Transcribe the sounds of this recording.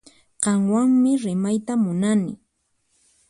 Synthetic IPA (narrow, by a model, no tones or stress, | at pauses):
qɑŋwaŋmɪɾɪmajt̪amʊnanɪ̰